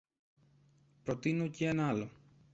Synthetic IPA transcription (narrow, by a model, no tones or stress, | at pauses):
pɾo̞t̪inoceenɐɐlo̞